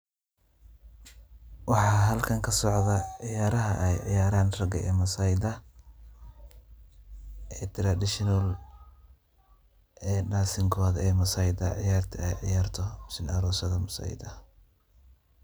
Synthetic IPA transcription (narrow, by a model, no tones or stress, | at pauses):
wɑħɑːɦɐlkʰɐŋkʰɐsɔʕðɐʕɪjaːɾɐɦɐʔɛjʕɪ̰jaːɾaːnrɐɡɐɛːmɐsɐjd̪ɐ | ʔɛt̪ʰɪɾadɪʃɪnʊl | ʔɛːnaːsɪŋkʰɔːðɐɛːmɐsɐjd̪ɐʕɪ̰jaːrt̪ʰɐɛjʕɪ̰jaːrt̪ʰɔmsɪnɐɾɔːsɐðɐmɐsɐ̰j̰d̪ɐ